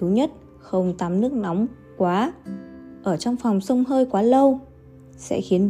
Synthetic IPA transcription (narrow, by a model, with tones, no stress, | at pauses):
u˨˦ɲə˦˥t̚ | xə˧˩wŋ͡mt̪aː˨˩mnɨ˦˥ək̚nɔ˨˦wŋ͡m | kwaː˨˦ | ʔəː˧˩t͡ɕɔ˧wŋ͡mfɔ˨˩wŋ͡msə˧wŋ͡mɦəː˧jkwaː˨˦lə˧w | sɛ̰˧˥xi˨˦ən